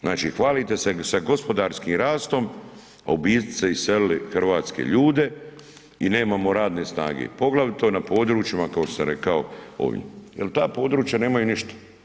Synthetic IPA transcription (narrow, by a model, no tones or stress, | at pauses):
znaːt͡ʃiːxʋaːlit̪e̞sesaɡo̞spo̞d̪aːɾskiːmɾaːst̪o̞m | a̰ubiːsiseissellixrʋaːt̪skḛʎuːd̪e̞ | ine̞ːmaːmo̞ɾaːd̪nesna̰ːɡḛpo̞ɡlˠaʋit̪o̞napo̞ːd̪ɾuːt͡ʃimakakoosaɾe̞kaoo̰ʋḭjelt̪aːpo̞ːd̪ɾuːt͡ʃjane̞ːmajuniʃt̪ḁ